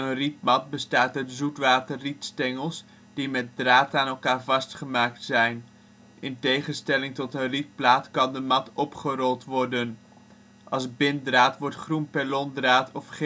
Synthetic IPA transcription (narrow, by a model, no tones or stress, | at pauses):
ənripmɑt̚bəstaːtətzutʋaːtərritstɛŋəlˠs | d̥imɛt̚draːtaːnɛlˠkaːɹvɑstχəmaːk̚tsɛjn | ʔɪntejχənstɛlɪŋtɔtənrip̚plaːtkɑndəmɑtɔpχərɔlˠtʋɔɹdən | ʔɑlˠzbɪndraːtʋɔɹtχrunpɛlɔndraːtʰɔfχ